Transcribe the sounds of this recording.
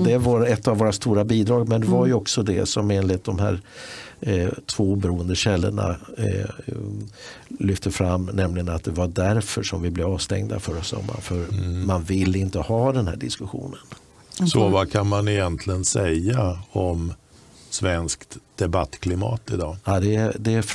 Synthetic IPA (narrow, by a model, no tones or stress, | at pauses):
d̪ɛvaɾɛt̪ːavːoːɾast̪uːɾabiːd̪ɾɑːɡmɛnd̪ɛvaɾjɵɔksɔd̪ɛsɔmeːnlɪt̪̚d̪ɔmɦæ̰ːɾ | t̪ʰvoːbɛɾuːənd̪əɕɛlːə̰ɳa̰ | lʏft̪əfɾamːnɛmlɪɡənat̪̚d̪ɛvaɖæɾfœʂɔmvɪblɛvɑːvst̪ɛ̰ŋd̪a̰fœɾɔsɔ̰mːa̰fœɾmanvɪlːɪnt̪əhɑːd̪ɛnhæ̰ːɖɪskɵɧṵːnən | sɔvakʰanmanɪjɛnt̪ʰlɪɡənsɛjaɔm | svɛnskt̪d̪̥ɛbat̪ːkʰlɪmɑ̰ːt̪ɪd̪ɑːɑd̪ɛd̪ɛf